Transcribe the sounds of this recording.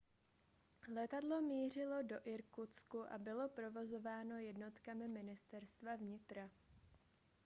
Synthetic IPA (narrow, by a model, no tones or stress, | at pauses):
lɛt̪adlo̞miːr̝ɪlo̞do̞ʔɪɾkut͡skuʔa̰bɪlo̞pɾo̞vo̞zo̞vaːno̞jɛdno̞t̪kamɪmɪnɪst̪ɛɾst̪vavɲɪt̪ɾa